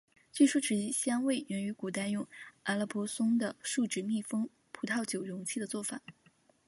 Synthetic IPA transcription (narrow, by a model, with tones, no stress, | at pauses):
t͡ɕɥi˥˩ʂu˥ʈ͡ʂɻ̩˧˩i˧˥ɕjɑ˥ŋwe˥˩ɪjɛ˧˩ny˧˥ku˨˩t̪a˥˧ɪjʊ˥˩ŋa˧˥lə˧˥pʰɔ˥sʊ˥ŋd̪ə˨ʂu˥˩ʈ͡ʂɻ̩˧˥mi˥˩fɤ˥ŋ | pʰu˧˥t̪ʰɑ˥˩ʊt͡ɕjo˨˩ʊɻʊ˧˥ŋt͡ɕʰi˥˩d̪ə˩t͡swɔ˥˩fa̰˨˩˦